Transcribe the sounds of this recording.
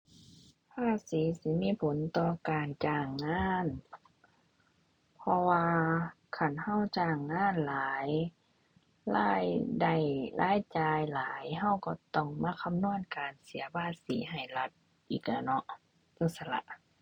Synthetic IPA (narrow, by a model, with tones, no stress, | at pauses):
pʰaː˧˥˩siː˨˦si˨˦miː˧˥˨pʰo˨˦nt̪ɔː˧˩kaː˨nt͡ɕaː˧˩ŋːaː˧˥˨n | pʰɔ˧waː˧ | kʰa˧˩nha˧˥˨wt͡ɕaː˧˩ŋːaː˧˥˨nlaː˨˦j | laː˧˥˩jda˧˩jlʔaː˧˥˨jt͡ɕaː˧jlaː˨˦jɦa˧˩˨wkɔ˧˩t̪ɔ˧˩ŋmaː˧˥˨kʰa˧˥˨mnu˧˥˨ənkaː˨nsi˨˦ɐbaː˧˩t̪̚siː˨˦ɦa˨˩jla˧˦t̪̚ | ʔiː˨˩k̚laː˧˩nɔ˧˦ʔ | t̪o˧˩sa˧la̰˧˦ʔ